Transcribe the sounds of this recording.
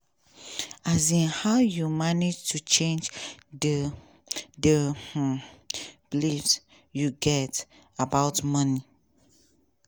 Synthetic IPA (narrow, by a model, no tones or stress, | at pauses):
azĩnhaʊjumanɪd͡ʒtʰut͡ʃẽnd͡ʒdə | dəh̩ | b̥lifs | juɡɛt | abaʊtmʌni